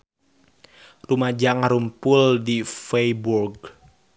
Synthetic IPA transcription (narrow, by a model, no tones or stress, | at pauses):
rumad͡ʒaŋaɾumpʊldifejburɡ